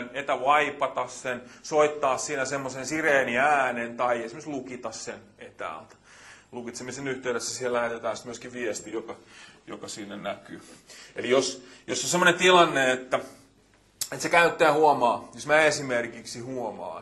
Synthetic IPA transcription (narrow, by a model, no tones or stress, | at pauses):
net̪æʋɑipɑt̪ɑssensoit̪ːɑːssiːnæsemːosensireːniæːnent̪ɑiesimest̪lukit̪ɑssen | et̪æ̰ːlt̪æ̥ | lukit̪semːesenyht̪eyɾesːæsihellæhet̪et̪æːnsi̥t̪myøskiʋʋiɛst̪ijokɑjo̰kɑsiːnːenækyːelijosjosːosemːonent̪ilɑnːeet̪ːæ | et̪sekæyt̪ːæːhuɔmɑːjosmæːesimerkiksihuɔmɑ̰ː